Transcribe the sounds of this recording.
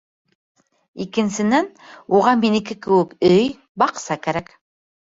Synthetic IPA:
ikɘ̆nsɘ̆næn | uʁɑminɘ̆kɘkɘ̆wɘkɵj | bɑqsɑkæɾæk

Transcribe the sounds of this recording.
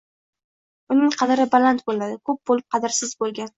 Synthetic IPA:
ʊnɪŋqʰɑd̪ɪɾɪbalˠant̪bolad̪ɪkʰɵp̚bolɪp̚qʰɑd̪ɪɾsɪzbolˠɡʲan

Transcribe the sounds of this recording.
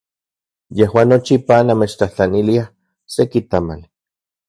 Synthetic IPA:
jehwaːnːot͡ʃipanːamet͡ʃt̪aht͡ɬaniliah | sekit̪ama̰l

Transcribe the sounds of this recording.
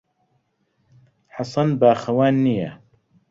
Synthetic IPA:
ħɑsˤɑnbaːxɐwaːnːijɛ

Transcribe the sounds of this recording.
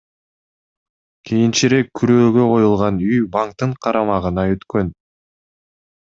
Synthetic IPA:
kʲʰijint͡ʃiɾe̞kʰːyɾøːɡø̞qʰo̞julˠʁɑnyjbaŋk̚t̪ːɯɴqʰɑɾʔɑmɑʁɯnɑøt̪kø̞n

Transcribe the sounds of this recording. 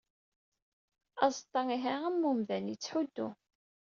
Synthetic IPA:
ɑzt̪ˤːɑiɦææmːumðænjit͡sːħud̪ːu

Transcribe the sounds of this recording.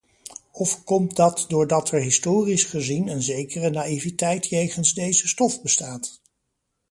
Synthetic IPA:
ɔfkɔmdɑtdʊːɹdɑtɛɹɦɪstʊːrisχəzinənzejkərənaːivitɛjtjejχənzdejzəstɔfbəstaːt

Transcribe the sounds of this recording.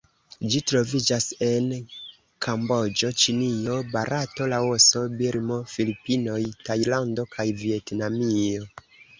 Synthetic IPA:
d͡ʒitɾo̞vid͡ʒase̞n | kʰambo̞d͡ʒo̞t͡ʃinio̞baɾʔato̞lawoso̞biɾmo̞filipino̞jtajlando̞kʰajvietnamio̞

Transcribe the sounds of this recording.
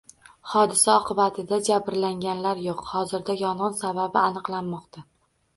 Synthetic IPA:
hɒd̪ɪsaɒqʰɨbat̪ʰɪd̪ad͡ʒabɾlaŋɡʲanlaɾjoqhɒzɪɾd̪ajɒnɨnsababɪanɨqlˠanmɒqt̪ʰa

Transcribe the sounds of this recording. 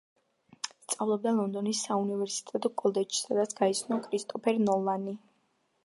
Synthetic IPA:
st̪sʼavlˠɔb̚d̪alˠɔnd̪ɔnisːaunivɛɾsi̥t̪ʼɛt̪ʼɔɡʼɔlˠd̪ɛt͡ʃʰi̥sad̪at̪sʰɡ̥ait̪sʰnɔkʰɾist̪ʼɔpʰɛɾnɔlˠani

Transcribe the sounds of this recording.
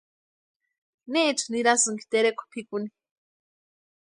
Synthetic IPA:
neʔːt͡ʃʰuniɾasɨŋki̥t̪eɾekʰʷu̥pʰikuni

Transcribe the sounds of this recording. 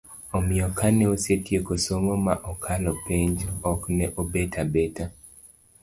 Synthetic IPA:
omɪɔkanɛosetjekosomomaʔokʰalɔpeɲd͡ʒɔknɛʔobetʰabeta

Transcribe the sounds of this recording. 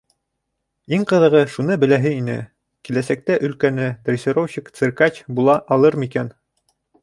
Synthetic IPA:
iŋqɤ̆ðɤ̆ʁɤʃunɤbɘ̆læɦɘinɘ̰ | kilæsæk̚t̪æʔɵ̆lkænɘd̪rʲesʲeɾowɕikt̪sɘ̆rkɑt͡ɕbulˠɑʔɑlˠɤɾmikæn

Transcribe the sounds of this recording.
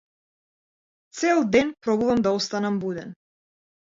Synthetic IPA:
t̪sɛlˠd̪ɛnpɾɔbuvamd̪aɔst̪anambud̪ɛn

